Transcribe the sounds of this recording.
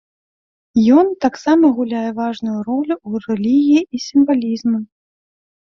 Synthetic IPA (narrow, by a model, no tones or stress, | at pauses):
jɔnt̪aksamɐɣulʲajɛvaʐnujuɾɔlʲuurɛlʲiɣʲijiisʲimvalʲizmɐ